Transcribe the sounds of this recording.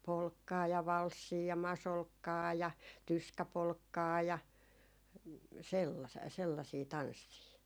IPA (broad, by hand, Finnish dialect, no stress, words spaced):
polkːɑː jɑ ʋɑlsːiː jɑ mɑsolkːɑː jɑ tyskæpolkːɑː jɑ selːɑ selːɑsiː tɑnsːiː